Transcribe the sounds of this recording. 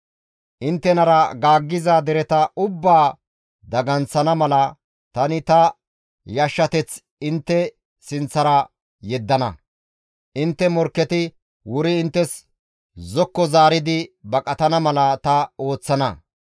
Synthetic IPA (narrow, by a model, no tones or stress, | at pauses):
ʔɪnt̪ːɛnɐɾɐɡaːɡːɪzaːd̪ɛɾɛt̪ɐʊbːaː | d̪ɐɡɐnt͡sːɐnɐmɐlɐ | t̪ɐnɪt̪ɐ | jɐʃːɐt̪ɛt͡s | ɪnt̪ːɛ | sɪnt͡sːɐɾɐ | jɛd̪ːɐnɐ | ʔɪnt̪ːɛmɔɾkːɛt̪ɪ | wʊɾɪːnt̪ːɛs | zɔkːɔzaːɾɪd̪ɪbɐkʼɐt̪ɐnɐmɐlɐt̪ɐo̞ːt͡sːɐnɐ̰